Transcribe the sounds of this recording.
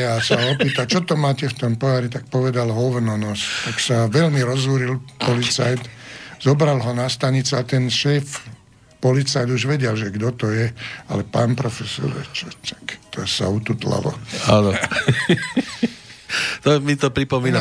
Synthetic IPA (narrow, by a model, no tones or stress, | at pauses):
asaɔpiːt̪at͡ʃɔt̪ɔmaːcɛft̪ɔmpɔaɾit̪ak̚pɔʋɛd̪alɦɔʋnɔnɔst̪aksaʋɛlmiɾɔzuɾilpɔlit͡sa̰jt̪z̥ɔbɾalɦɔnast̪aɲit͡sɛat̪ɛnʃɛːf | pɔlit͡sajd̪uʒʋɛɟɛlʒɛɡd̪ɔt̪ɔjɛa̰lɛpaːnpɾɔfɛsɔ̰ɾɛ̰t͡ʃɔt̪ḁkt̪ɔsa̰ut̪ut̪la̰ʋɔ̰aːnɔ | t̪ɔmit̪ɔpɾipɔmiːna